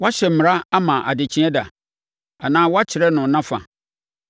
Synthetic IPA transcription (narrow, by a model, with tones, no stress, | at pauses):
wa˦ɕɛ˨m̩˨m˨ɾa˦a˦mã˨ʔa˨de˨t͡ɕʰĩ˦ɛ̃˦da˨ | a˨nãː˦wɔ˦a˦t͡ɕʰɪ˨ɾɛ˦nʊ̃˨nã˦fa̰˨